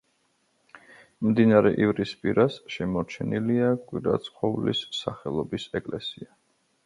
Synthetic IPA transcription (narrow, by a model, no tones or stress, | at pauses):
md̪inaɾɛʔivɾispʼiɾasʃɛmɔɾt͡ʃʰɛniliakʼwiɾa̰t̪sʼqʰʼɔvlisːaχɛlˠɔbisɛkʼlɛsia